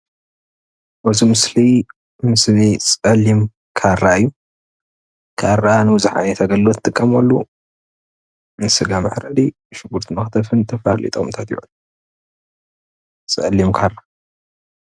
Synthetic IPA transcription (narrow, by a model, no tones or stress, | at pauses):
bɐzimɨsli | mɨslit͡sʼɐlːim | kʰaraɨjːu | kʰarːanɨbɨzħa̰net̪ʰɐɡɐllot̪ʰːt̪ʼɨkʼːɐmɐlːu | nɨsɨɡamɐħɾɐd̪i | ʃɨɡuɾt̪ʰmɐxt̪ʰɐfɨnt̪ʰɐfalḭt̪ʼomt̪ʰat̪jṵʕalːu | t͡sʼɐlːimkʰarːa